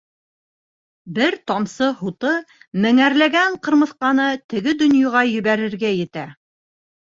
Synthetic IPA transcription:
bɘɾt̪ɒmsɤhut̪ɤmɘ̆ŋæɾlæɡæɴqɤ̆ɾmɤ̆θqɑnɤt̪ɘ̆ɡɘd̪ɵ̆njɑʁɑjɵ̆βæɾɘ̆ɾɡæjɘ̆t̪æ

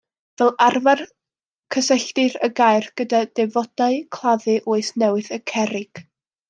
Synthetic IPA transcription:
vɛlˠarvar | kʰəsɛɬtɨɾəɡajrɡ̥ədad̥ɛvɔd̥aɨkʰlˠaðɨʔoːɨsnɛwɨθəkʰɛɾɪɡ̥

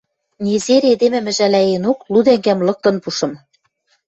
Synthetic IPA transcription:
nʲezeɾed̪emɘ̆mɘ̆ʒælæenoklud̪æŋɡæmlɤ̆k̚t̪ɤ̆npuʃɤ̆m

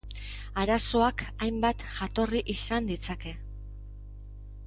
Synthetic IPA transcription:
aɾaso̞akajmbat̪ʝat̪o̞riʔisand̪it͡sake̞

